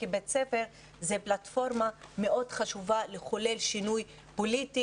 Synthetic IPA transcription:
kibet͡sefeʁ | zeplat̪fo̞ʁmame̞ʔo̞dχaʃuvaleχole̞lʃinuj | politi

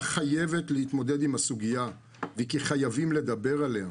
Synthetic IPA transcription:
χaje̞ve̞tlehit̪mod̪e̞d̪imasuɡija | vekiχajavimle̞d̪abe̞ʁalea

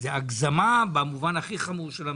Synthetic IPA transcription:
zeaɡzamabamuvanhaχiχamuʁʃela

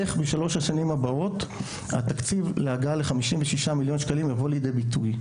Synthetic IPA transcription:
eχbeʃalo̞ʃaʃanimabao̞t | a̰t̪akt͡sivleaɡaleχamiʃimveʃiʃamiljo̞nʃkalimjavo̞lejd̪ejbituj

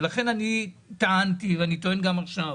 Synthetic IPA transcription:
laχe̞nanit̪aant̪iveanit̪oenɡamaχʃa

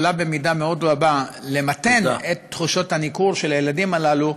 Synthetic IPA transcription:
labemidameo̞d̪ʁabale̞mat̪e̞netːχuʃothanikuʁʃelajeladimalalu

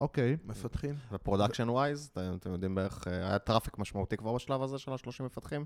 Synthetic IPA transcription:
ʔokejmefat̪χimvepʁo̞d̪akʃonwajzt̪emat̪emjo̞d̪imdeeχea̰jat̪ʁafi̥kmaʃmaut̪ikvaʁbaʃlavaze̞ʃelaʃlo̞ʃimːefat̪χim

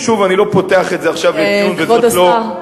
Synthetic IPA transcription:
ʃuvanilo̞poteaχetzeaχʃavjeunveod̪oa

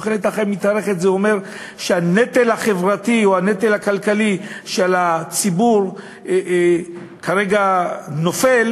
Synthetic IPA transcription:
χelet̪aχemːit̪aʁe̞χet̪zeome̞ʁ | ʃeanet̪elhaχevʁat̪io̞hanet̪elhakalkaliʃelat͡sibuʁ | kʰaʁeɡano̞fel

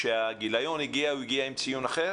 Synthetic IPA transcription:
ʃeaɡilajoniɡiauiɡiaimt͡sijunaχe

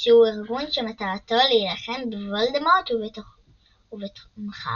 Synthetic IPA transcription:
ʃeuiʁɡunʃemat̪aat̪olejilaχembevold̪amot̪uveto | uvetmχa̰

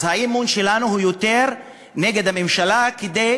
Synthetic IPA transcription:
zhaimunʃe̞lanuɦujot̪e̞ʁ | ne̞ɡe̞d̪hame̞mʃalaked̪e

